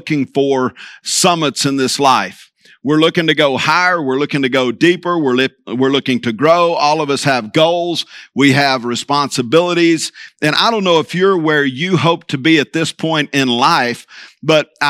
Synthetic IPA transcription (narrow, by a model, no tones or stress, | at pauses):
kɪ̃ŋfə˞sʌmətsɨ̃nðɪslaɪf | wɪɹlʊkɪ̃ŋtɨɡoʊhaɪə˞wɪɹlʊkɪ̃ŋtɨɡoʊdipə˞wɪɹlwɪɹlʊkɪ̃ŋtʰɨɡɹoʊɔlˠʌvʌshɨvɡoʊlˠzwiɨvɹɨspɑ̃nsɨbɪlˠəɾizɨ̃ña̰ɪɾõʊ̃nːoʊəfjə˞wə˞jɨɦoʊp̚tʰɨbiɨt̪̚ðɪspʰɔ̃ɪ̃ntɪ̃nlaɪfb̥ʌɾ